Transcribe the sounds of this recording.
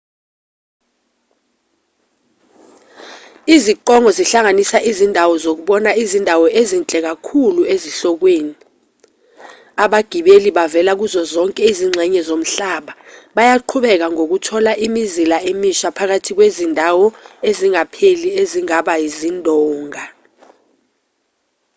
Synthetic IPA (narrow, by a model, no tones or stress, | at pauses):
iziǃɔŋɔziɬaŋanisaʔizindʱawɔzok̬uɓɔnaizindʱawɔʔezint͡ɬʼɛk̬akʰulueziɬɔk̬weːni | aɓaɡ̥ʱiɓeliɓavɛlak̬uzɔzɔŋkʼɛiziŋ͡ǀʱɛɲɛzom̩ɬaɓaɓajaǃʰuɓɛk̬aŋok̬utʰɔlaʔimizilaʔemiʃapʰak̬atʰik̬wezindʱawɔeziŋapʰelieziŋaɓajizindʱɔːŋa